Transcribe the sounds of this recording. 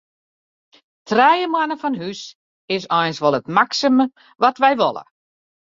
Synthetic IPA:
tʰrɛjəmwanəfɔnhys | ɪs̬ɔjnsʋɔlˠətmaksəmə | ʋɔtʋɛjʋɔ̰lˠə̰

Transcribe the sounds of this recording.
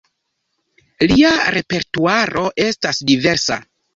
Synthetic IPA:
liaɾe̞pe̞ɾtuaɾo̞ʔe̞stasdive̞ɾsa̰

